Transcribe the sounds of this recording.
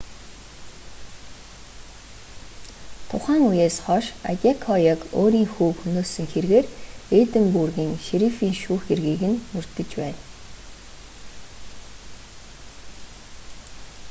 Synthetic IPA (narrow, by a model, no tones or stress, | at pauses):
t̪ʰʊχæːŋujeːsχɔʃa̰tʲakʰɔjəkoːɾiːŋxuːkxunoːsɘ̆ŋxerɣeːreːt̪ɘ̆mpurɣiːŋʃiɾifiːŋʃuːxerɣiːɣɘ̆nmur̥t̪ɘ̆t͡ɕpæːn